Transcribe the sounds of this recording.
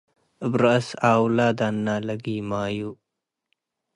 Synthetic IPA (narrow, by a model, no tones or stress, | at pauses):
bɾasaːwlaːd̪aːnːaːləɡimaːju